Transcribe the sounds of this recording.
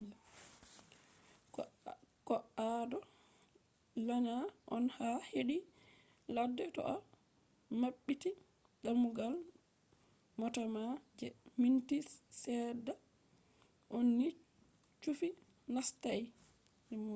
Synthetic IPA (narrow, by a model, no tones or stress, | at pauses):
kɔʔadɔ | laɲaʔɔnhaheɗi | ladːɛtɔ̰ʔa | maɓːiti | ɡamːuɡal | mɔtamad͡ʒɛmintissɛda | ʔonːi | t͡ʃufi | nastaj | ɛmu